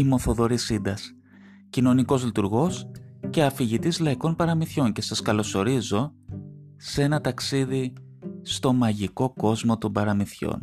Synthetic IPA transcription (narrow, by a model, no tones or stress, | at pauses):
imoθo̞ðo̞ɾisind̪ɐs | cino̞niko̞zlit̪uɾɣo̞sce̞ɐfiʝit̪izlɐiko̞npɐɾɐmiθço̞nce̞sɐskɐlo̞so̞ɾizo̞ | se̞nɐt̪ɐksiði | st̪o̞mɐʝiko̞ko̞zmo̞t̪o̞mbɐɾɐmiθço̰n